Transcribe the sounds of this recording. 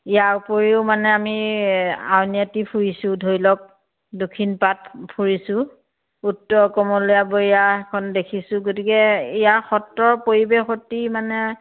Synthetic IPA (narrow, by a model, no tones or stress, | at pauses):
ijaupoɹiʊmanɛami | a̰wniatipʰuɹisʊ̃dʱojlɔk̚ | dokʰinpat̚pʰuɹisʊ̃ | utːɔkɔmɔlujaboijaɛkʰɔndekʰisʊ̃ɡotikɛijaxɔtːɔɹpoɹibexɔtimanɛ